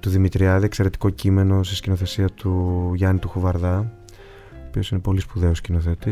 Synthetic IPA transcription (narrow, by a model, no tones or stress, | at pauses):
t̪uðimit̪ɾiɐðiekseɾe̞t̪i̥ko̞cime̞no̞siscino̞θe̞siɐt̪uʝɐnit̪uxuvɐɾðɐ | opio̞sine̞po̞lispuðe̞oscino̞θe̞t̪i